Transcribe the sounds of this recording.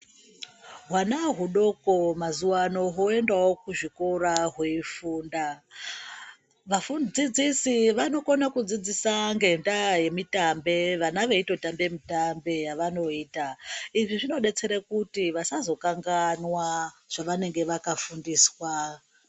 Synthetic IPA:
ɦwanaɦuɗo̞ko̞mazuwano̞ɦoe̞ndawo̞kuʐiko̞ɾaɦweifuːnda | ʋafund͡zid͡zisiʋano̞konakud͡zid͡zisaŋɡe̞ndaje̞mitambe̞ʋanaʋe̞ito̞tambe̞mitambe̞jaʋano̞iːtaiʐiʐino̞ɗe̞t͡se̞ɾekutiʋasazo̞kaŋɡanwaʐ̥aʋane̞ŋɡe̞ʋakafundiːswa

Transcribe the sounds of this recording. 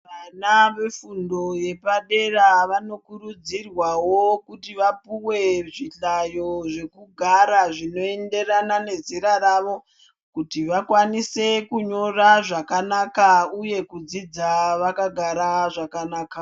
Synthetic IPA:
ʋanaʋe̞fundo̞je̞paɗe̞raʋano̞kurud͡zirwawokutiʋapuwe̞ʐiɬajo̞ʐe̞kuɡʱaɾaʐino̞e̞nde̞ranane̞ziɾaɾaʋo̞ | kutiʋakwanise̞kuɲo̞raʐakanakauje̞kud͡zid͡zaʋakaɡʱaɾaʐakanaːka

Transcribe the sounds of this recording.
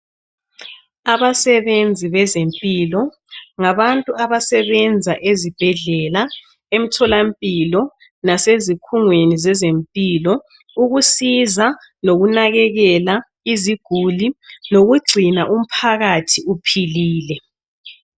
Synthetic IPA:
aβasɛβend͡zʱiβɛzempʼiːlɔ | ŋaβantʼuaβasɛβɛnd͡zʱaʔezib̥ʱɛɮɛla | em̩tʰɔlampʼilɔ | nasezikʰuŋwenizɛzempʼilɔ | uɣusiza | noɣunaɣɛɣɛla | iziɡ̥ʱulinoɣuɡ͡ǀʱinaʔum̩pʰaɣatʰiupʰiliːlɛ

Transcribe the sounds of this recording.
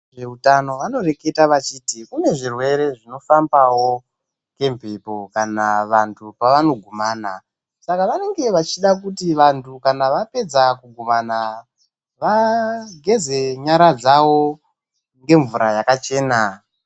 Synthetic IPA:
ʐe̞utano̞ʋano̞re̞ke̞taʋat͡ʃiːtikune̞ʐirwe̞ɾe̞ʐino̞fambawo | ke̞mpepokanaʋantʰupaʋano̞ɡʱumaːna | sakaʋane̞ŋɡe̞ʋat͡ʃiɗak̬utiʋantʰukanaʋape̞d͡zakuɡʱumana | ʋaɡʱe̞ze̞ɲaɾad͡zawo̞ | ŋɡe̞ɱvuɾajakat͡ʃe̞ːna

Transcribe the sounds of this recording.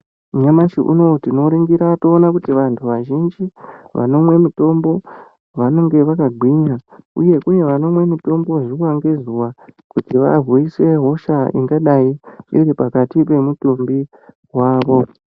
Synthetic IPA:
uɲamaʃiʔṵno̞tino̞ɾiŋɡiɾato̞ːnakutiʋantʰuʋaʒind͡ʒiʋa̰no̞mwe̞mito̞mbo̞ | ʋano̞ŋɡe̞ʋakaɡʱwiɲauje̞kuje̞ʋano̞mwe̞mito̞mbo̞ʐiwaŋɡe̞zuwa | kutiʋaruise̞ɦo̞ʃaḭŋɡaɗaiiɾipakatipe̞mutumbi | ɦwaːʋo̞

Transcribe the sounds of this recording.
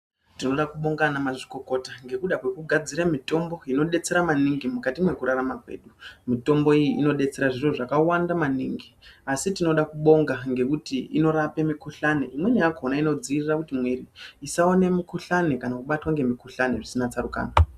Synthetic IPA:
tino̞ɗakuɓo̞ŋɡanamaʐikoko̞taŋɡe̞kuɗakwe̞kuɡʱad͡ziɾamito̞mbo̞ino̞ɗe̞t͡se̞ɾamaniŋɡimukatimwe̞kuɾaramakwe̞̰ːɗumito̞mbo̞ijiino̞ɗe̞t͡se̞ɾaʐiroʐakawandamaniŋɡiasitino̞ɗakuɓo̞ŋɡaŋɡe̞kutiino̞ɾape̞mikuɬaneimwe̞ɲajakonaino̞d͡ziːrirakutimweɾiisawane̞mikuɬanekanakuɓatwaŋɡe̞mikuɬaneʐisinat͡saɾuka̰ːna

